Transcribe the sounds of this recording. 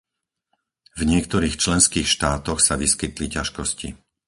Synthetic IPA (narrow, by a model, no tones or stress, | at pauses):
vɲɪɛkt̪ɔɾiːxt͡ʃlɛnskiːxʃt̪aːt̪ɔxsaʋiskit̪licaʃkɔscḭ